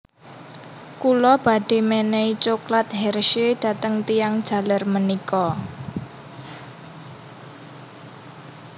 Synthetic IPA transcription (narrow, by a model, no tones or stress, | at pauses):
kulɔb̥a̤ɖ̥e̤mɛnɛit͡ʃoklat̪̚ɦɛrʃed̥ä̤t̪əŋt̪ijaŋd̥ʒ̥ä̤larmənikɔ